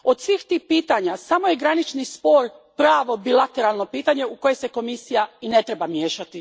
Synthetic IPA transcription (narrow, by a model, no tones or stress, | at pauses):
o̞d̪sʋiːxt̪iːhpiːt̪aɲasamo̞je̞ɡɾanit͡ʃnispo̞ɾpɾaːʋo̞bilˠat̪eɾalˠno̞piːt̪aɲe̞uko̞jese̞ko̞misijaine̞t̪ɾebamje̞ːʃat̪i